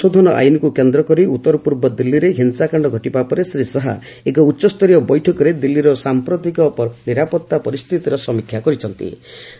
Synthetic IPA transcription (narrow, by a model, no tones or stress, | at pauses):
od̪ʱɔnɔʔa̰jnɔkukend̪ɾɔkɔɾiut̪ːɔɾɔpuɾbɔd̪ilːiɾeɦinsakaɳɖɔɡʱɔʈipapɔɾesɾisɔɦa̰ | ekɔutːʃɔst̪ʰɔɾijɔbɔjʈʰɔkɔɾed̪ilːiɾɔsampɾɔt̪ikɔpɔniɾapɔt̪ːapɔɾist̪ʰit̪iɾɔsɔmikʰjakɔɾit͡ʃʰɔnt̪ḭ